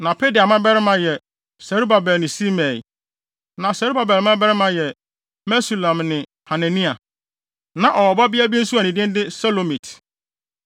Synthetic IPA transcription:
nã˨pʰe˦di˨a˨mã˦bɛ˦ɾɪ˦mã˦jɛ˨ | sɛ˨ɾu˦ba˨bɛ˨lnɪ̃˨si˦mɛ˨l | nã˨sɛ˨ɾu˦ba˨bɛ˨lmã˦bɛ˦ɾɪ˦mã˦jɛ˨ | mɛ˦su˨lã˨mnɪ̃˨ | ha˨nã˨nĩ˦a˨ | nã˨ʔɔ˨wɔ˨ba˦bi˦a˦bi˦e˦n̩˦su˦a˨nĩ˨dɪ̃˦n˦dɪ˦sɛ˦lo˨mĩ˨tʰ

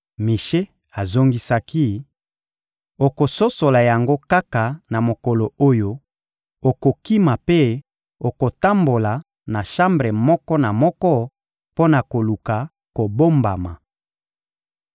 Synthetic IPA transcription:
mi˨ʃe˦ | a˨zo˦ŋɡi˦sa˦ki˦ | o˨ko˨so˦so˨la˨ja˨ŋɡo˦ka˦ka˨na˨mo˨kɔ˨lo˨o˦jo˦ | o˨ko˨ki˦ma˨pe˦ | o˨ko˨ta˦mbo˨la˨ | na˨ʃa˦mbʁe˨mɔ˦kɔ˦na˨mɔ˦kɔ˦ | po˦na˨ko˨lu˨ka˨ | ko˨bo˦mba˨ma˨

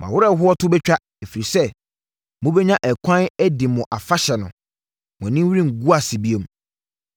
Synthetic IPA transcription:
mã̰˨wʊ˦ɾɛ˦˨ɦʊ˦ɔ˦tʰʊ˦bɛ˦t͡ɕᶣa˦ | e˨fi˨ɾi˨sɛ˦ | mʊ̃˦bɛ˦ɲã˦ʔɛ˨kʷʰã˦nɛ˦dɪ˨mʊ̃˨ʔa˨fa˦ɕɛ˨nʊ̃˨ | mʊ̃˨nɪ̃˦m˦wɾĩ˦ŋ̩˨ɡu˦a˨sɪ˨bi˦e˨m˦

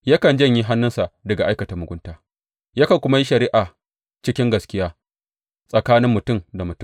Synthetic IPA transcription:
ja˦kɐ˨nd͡ʒɐ˦ɲji˦ɦa˦nːʊ˦nsa˨dɐ˨ɡa˨ʔa˦jkɐ˨ta˨mʊ˨ɡʷʊ˦ntaː˦ | ja˦kɐ˨kʷʊ˦ma˦ji˦ʃɐ˨ɾi˦ʔa˨ | t͡ʃɪ˦kʲɪ˦ŋɡɐ˨skʲɪ˦jaː˦ | sʼɐ˨kaː˦nɪ˦mːʊ˨tʊ˦mda˨mʊ˨tʊ˦˨

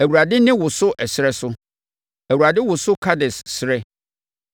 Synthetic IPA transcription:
æ˨wu˨ɾa˨dɪ˦nɪ̃˦wʊ˨sʊ˦ʔɛ˨sɪ˦ɾɛ˦sʊ˦ | æ˨wu˨ɾa˨dɪ˦wʊ˨sʊ˦kʰa˦dɪ˨sːɾɛ˦

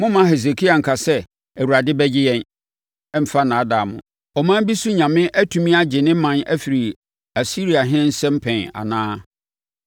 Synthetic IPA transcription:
mʊ̃˦mã˦ɦe˨s̬e˨kʰi˦a˨ŋ̩˨kʰa˨sɛ˦ | æ˨wu˨ɾa˨dɪ˦bɛ˦d͡ʑɪ˦jɛ̃˨n | ɛ˦m̩˨fa˦nã˨˦da˨mʊ̰̃˨ | ɔ˨mã˦m˦bi˦su˦ɲã˨mɪ̃˦ʔæ˦tʰũ˨mĩ˦a˦d͡ʑɪ˨nɪ̃˦mã˨næ̰˦fi˨ɾi˨ | æ˨si˦ɾi˨a˨ɦɪ̃˦n̩˦sɛ̃˦m̩˦pʰɛ̃˨a̰˨nãː˦

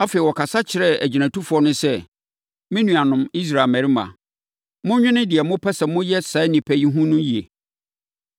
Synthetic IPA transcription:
a˦fe˨i˨wɔ˨kʰa˨sa˦t͡ɕʰɪ˨ɾɛ˦æ̰˨d͡ʑi˨næ̃˨tʰu˦fɔ˦nʊ̃˦sɛ˦ | mɪ̃˦nũ˨a˨nʊ̃˨mi˦s̬ɾaː˨mæ̃˨ɾi˦mã̰˨ | mʊ̃˦ɲᶣɪ̃˦nɪ̃˦dɪ˨ɛ˨mʊ̃˦pʰɛ˦sɛ˨mʊ̃˦jɛ˦sa˨˦nĩ˨pʰæ˨ji˦ɦũ˦nʊ̃˦ji˨ḛ˨

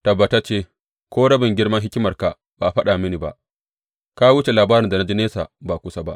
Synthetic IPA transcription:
tɐ˨bːɐ˨ta˦t͡ʃeː˦˨ | kʷoː˦ɽɐ˦bɪ˨ŋɡʲɪ˦rmɐ˦ŋɦɪ˦kʲɪ˦mɐ˨rka˨ | baː˨ɸɐ˦ɗa˨mɪ˦ni˨ba̰˨ʔ | ka˦wʊ˦t͡ʃe˨laː˨baː˦ɾɪ˨nda˨na˦d͡ʒi˦neː˦sa̰˨baː˨kʷʊ˦sa˦ba˦ʔ

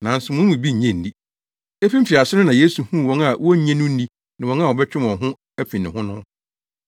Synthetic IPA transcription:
nã˨n̩˦sʊ˨mʊ̃˦ũ˨bi˦ɲ̩˨ɲɛ̃˦˨n̩˨˦di˦ | e˦fĩ˦m̩˦fi˨a˨sɪ˦nʊ̃˦nã˨jeː˦su˨hũ˦˨wɔ̃˨ŋa˨wɔ˦ɲɛ̃˦nʊ̃˦n̩˦ni˦ | nɪ̃˨wɔ̃˨ŋ˦a˦˨wɔ˨bɛ˦t͡ɕᶣɪ˦mɔ̃˨ɦʊ̃˦ | æ˦fĩ˨nɪ̃˨hʊ̃˦nʊ̃˦

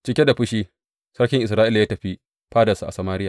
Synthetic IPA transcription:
t͡ʃɪ˦kʲe˦da˨ɸʊ˦ʃiː˦ | sɐ˦ɽkʲɪ˨ŋʔɪ˨s̬ɾaː˦ʔɪ˦la˨jaː˦tɐ˨ɸi˦ | ɸaː˦dɐ˨su˦ʔa̰˨sɐ˨maː˦ɾɪ˦jaː˨

